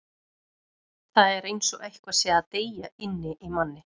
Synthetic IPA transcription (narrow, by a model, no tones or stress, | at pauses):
θaðɛɾejnsɔɣejhkvasɛat̪eːjaɪnːɪʔimanːɪ